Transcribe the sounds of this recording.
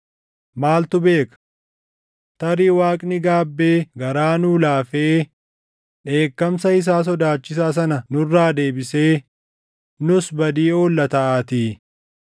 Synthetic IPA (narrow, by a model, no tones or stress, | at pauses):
maːlt̪ʊbe̞ːkɐ̥ | t̪ɐɾiːwaːkʼnɪɡaːbːe̞ːɡɐɾaːnuːlaːfeː | ᶑe̞ːkːɐmsɐɪs̬aːs̬ɔd̪aːt͡ʃːɪs̬aːs̬ɐnɐnʊrːaːd̪e̞ːbɪse̞ː | nʊsbɐd̪iːo̞ːlːɐt̪ɐʔaːt̪iː